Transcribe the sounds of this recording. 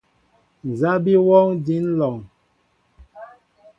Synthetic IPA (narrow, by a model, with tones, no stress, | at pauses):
n˨za˦bi˦wɔ˦ŋdi˨˦nlɔ˨ŋ